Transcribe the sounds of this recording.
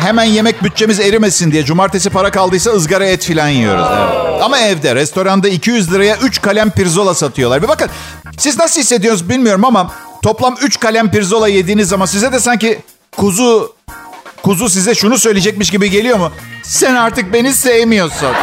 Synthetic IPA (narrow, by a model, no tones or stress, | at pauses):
ɦemænje̞mɛc̚byt̪̚t͡ʃe̞mize̞ɾimesind̪ijɛd͡ʒumaɾt̪ʰe̞s̬ipaɾakalˠd̪ɯjsaɯzɡaɾaɛt̪filʲanjḭjo̞̰ɾṵzd̪ɛ̰amaɛvd̪ɛɾɛst̪o̞ɾand̪aicʰijyzlʲˠɯɾajaʔyt͡ʃkʰalʲæmpiɾzo̞lˠasat̪ʰɯjo̞lˠaɾvɛbakɯn | siznasɯlˠhisːe̞d̪ijo̞ɾuzbilʲmijo̞ɾumamat̪ʰo̞plˠamyt͡ʃkalʲæmpiɾzo̞lˠaje̞d̪iːnizːamans̬izɛd̪ɛsaɲci | kʰuzu | kʰuzus̬izɛʃunusø̞jlʲed͡ʒɛc̚miʃ̬ɟibiɟe̞lʲijo̞musænaɾt̪ɯk̚be̞nisejemijo̞ɾsun